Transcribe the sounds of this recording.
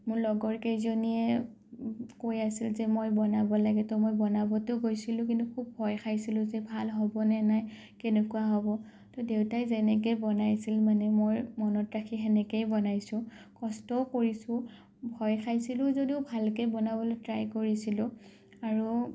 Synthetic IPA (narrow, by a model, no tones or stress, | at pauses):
mʊɹlɔɡɔɹkejzoniɛ | kojasilzɛmojbɔnabɔlaɡɛtʊmojbɔnabɔtʊɡojsilʊ̃k̬intukʰub̚ːʱɔjxʰajsilʊ̃zɛbʱalɦɔbɔnɛnaj | kɛnekuaɦɔbɔ | tɔdewtajzɛnɛk̬ejbɔnajsilmanɛmojmɔnɔtɹakʰiɦɛnɛkejbɔnajsʊ̃ | kɔstɔkoɹisʊ̃ | bʱɔjkʰajsilʊ̃zodiʊbʱalkejbɔnabɔlotɹajkoɹisilʊ̃ | aɹu